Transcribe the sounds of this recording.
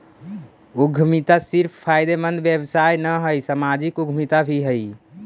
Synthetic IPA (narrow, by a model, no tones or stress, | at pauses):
uɡʱmit̪asiɾpʰpʰajd̪emənd̪ʱʋjebsajnəɦəjsamad͡ʒikuɡʱmit̪abʱiɦəj